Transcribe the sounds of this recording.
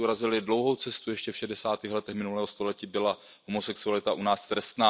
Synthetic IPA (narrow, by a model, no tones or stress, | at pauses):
uɾazɪlɪdlo̞wɦo̞wt͡sɛst̪ujɛʃcɛfʃɛdɛsaːt̪iːxlɛt̪ɛxmɪnulɛːɦost̪o̞lɛciːbɪla | homosɛksualɪt̪aʔunaːst̪ɾɛst̪naː